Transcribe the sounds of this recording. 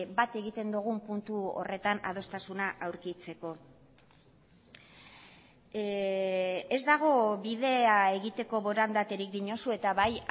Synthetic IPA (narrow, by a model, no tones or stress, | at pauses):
bat̪e̞ɣit̪e̞nd̪uɣ̞umpunt̪uo̰re̞t̪ana̰ð̞o̞st̪asunaʔawɾkit͡se̞ko̞ | e̞zd̪aɣ̞o̞βið̞e̞ae̞ɣit̪e̞ko̞βo̞ɾand̪at̪e̞ɾikd̪iɲo̞sue̞t̪aβaj